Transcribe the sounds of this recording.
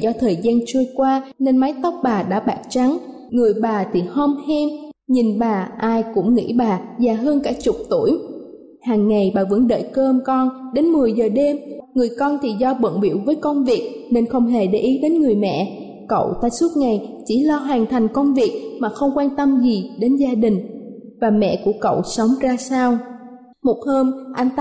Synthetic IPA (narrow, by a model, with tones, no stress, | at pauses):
zɔ˧t̪ʰəː˨˩jzaː˧nt͡ɕɨ˧əjkwaː˧ne˧nma˨˦jt̪ə˦˥wk͡p̚ɓaː˨˩ɗa̰ː˧˥ɓaː˧˩k̚t͡ɕa˨˦ŋ | ŋɨ˨˩əjɓaː˨˩t̪ʰi˨˩ho˧mhɛ˧mɲi˨˩nɓaː˨˩ʔaː˧jkʊ̰˧˥ŋ͡mŋḭ˧˥ɓaː˨˩zaː˨˩ɦəː˧nkaː˧˩t͡ɕʊ˨˩k͡p̚t̪u˧˩əj | haː˨˩ŋːa˨˩jɓaː˨˩və̰˧˥nɗə̰ː˧˨jkəː˧mkɔ˧nɗe˨˦nmɨ˨˩əjzəː˨˩ɗe˧mŋɨ˨˩əjkɔ˧nt̪ʰi˨˩zɔ˧ɓə̰˧˨nɓḭ˧˩əwvəː˨˦jkə˧nvi˨˩ək̚ | ne˧nxə˧wŋ͡mɦe˨˩ɗḛ˧˩ʔi˨˦ɗe˨˦nŋɨ˨˩əjmɛ̰˧˨ | kə̰˧˨wt̪aː˧su˦˥t̚ŋa˨˩jt͡ɕi˧˩lɔ˧ɦaː˨˩ŋt̪ʰa˨˩jŋ̟kə˧wŋ͡mvi˨˩ək̚maː˨˩xə˧wŋ͡mkwaː˧nt̪ə˧mzi˨˩ɗe˨˦nzaː˧ɗï˨˩ŋ̟ | vaː˨˩mɛ̰˧˨ku˧˩əkə̰˧˨wsə˨˦wŋ͡mzaː˧saː˧w | mo˨˩t̚həː˧mʔa˧jŋt̪